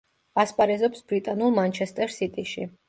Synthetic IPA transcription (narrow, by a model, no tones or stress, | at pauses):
aspʼaɾɛzɔpsbɾit̪ʼanulˠmant͡ʃʰɛst̪ʼɛɾsit̪ʼiʃi